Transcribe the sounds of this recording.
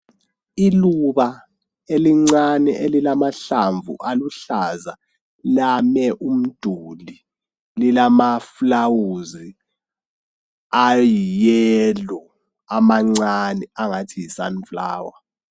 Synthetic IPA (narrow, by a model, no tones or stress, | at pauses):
iluɓa | eliŋ͡ǀanɛʔelilamaɬaɱvṵʔaluɬaza | lamɛʔum̩d̥ʱuli | lilamaflawuzi | ajijɛlɔ | amaŋ͡ǀanɛaŋatʰijisa̰nfla̰ːwa